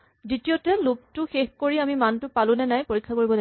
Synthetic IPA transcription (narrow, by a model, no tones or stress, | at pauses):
ditiotɛlok̚tʊxexkoɹiamimantʊpalʊnɛnajpoɹikʰːakoɹibɔda